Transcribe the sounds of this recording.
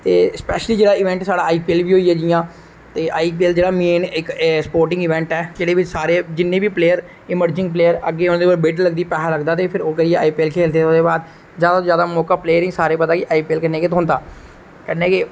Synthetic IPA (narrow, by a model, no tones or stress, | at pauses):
t̪eːspɛːʃəliːd͡ʒeːɽaːɪʋɛ̃ːɳʈsaːɽaːaːiːpiːlbiːɦoːiːɛːd͡ʒɪjãː | t̪eːʔaːiːp̬iɛld͡ʒeːɽaːmeːnɪkspoːɾʈɪ̃ŋɡɪʋɛ̃ːɳʈɛːd͡ʒeːɽeːʋɪt͡ʃsaːɾeːd͡ʒɪnːẽːbiːpleːəɾ | ɪməɾd͡ʒɪ̃ŋɡpleːəɾəɡːeːʊnãːd̪eːolbeːʈlːəɡ̚d̪iːpɛːaːləɡd̪aːt̪eːpʰɪɾoːkəɾieːaːiːpiːlkʰeːld̪eːod̪eːbaːd̪ | d͡ʒjaːd̪ad͡ʒjaːd̪aːmɔːkaːpleːəɾĩːsaːɾeːpət̪aːkɪʔaːiːpeːlkənːeːkɪt̪oɦʊ̃nd̪aː | kɛneːkeː